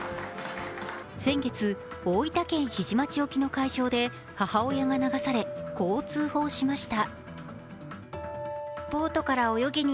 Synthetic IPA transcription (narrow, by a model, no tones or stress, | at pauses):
sẽ̞ŋɡe̞t͡sɨ | oːit̪akẽ̞ɰ̃çiʑimat͡ɕio̞kʲino̞kaiʑo̞ːd̪e̞ | hahao̞jaŋanaɡasaɾe̞ko̞ːt͡sɨːho̞ːɕimaɕi̥t̪a | po̞ːt̪o̞kaɾao̞jo̞ɡʲiɲ̟i